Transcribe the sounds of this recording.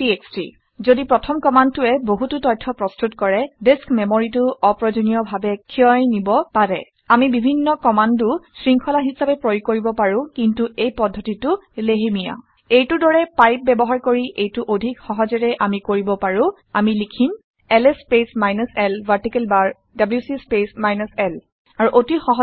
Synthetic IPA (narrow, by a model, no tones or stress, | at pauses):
tiekstɹḭ | zodipɹɔtʰɔmkɔmand̚tʊɛboɦututɔj̚tʰːɔpɹɔstutkɔɹɛdeskmemoɹitʊʔɔpɹɔzonijɔbʱabɛkʰiɔjnibɔpaɹɛ̰ | amibibʱinːɔkɔmandʊsɹiŋkʰɔlaɦisapɛpɹojkoɹibɔpaɹʊ̃kintuejpɔdʱːɔtitʊleɦimija̰ | ejtʊdɔɹɛpajp̚bɛbɔɦaɹkoɹiʔejtʊʔodʱikxɔɦɔzɛɹɛʔamikoɹibɔpaɹũ | amilikʰin | ɛlespesmajnɔsɛlvʱaɹtikɛlbaɹ | dabljusispesmajnɔsɛl | aɹuʔotixɔɦ